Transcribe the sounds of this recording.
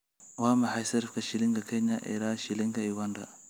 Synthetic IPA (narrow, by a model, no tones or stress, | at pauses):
wamaħajsɐɾfkaʃiliŋɡakeɲaʔḭɾaʃiliŋɡaiwanda